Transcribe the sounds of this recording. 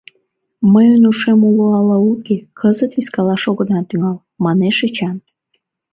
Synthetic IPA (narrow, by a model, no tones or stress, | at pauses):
məjənuʃemuloɑlɑukekʰəzət̪βiskɑlɑʃoɣənɑt̪yŋɑl | mɑneʃet͡ɕɑn